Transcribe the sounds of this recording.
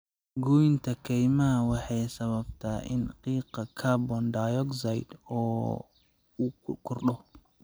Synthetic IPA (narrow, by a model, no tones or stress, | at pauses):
ɡujɪnt̪ʰɐkʰɛjmɐɦɐwɑħɑjsɐβɐbt̪ʰaːʔɪ̰nqiːqɑkʰaːbɔnɖajɔksɐjd̪ɔː | kʰʊrɗɔ